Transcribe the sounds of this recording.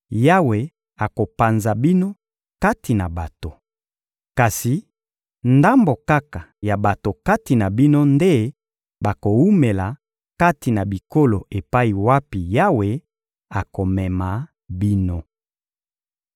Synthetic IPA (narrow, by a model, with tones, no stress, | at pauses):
ja˦we˨ | a˨ko˨pa˨nza˨bi˦no˦ | ka˦ti˨na˨ba˨to˨ | ka˨si˨ | nda˦mbo˨ka˦ka˨ja˨ba˨to˨ka˦ti˨na˨bi˦no˦nde˦ | ba˨ko˨wu˦me˨la˨ | ka˦ti˨na˨bi˨ko˦lo˨e˨pa˦i˨wa˦pi˨ja˦we˨ | a˨ko˨mɛ˨ma˨ | bi˦no˦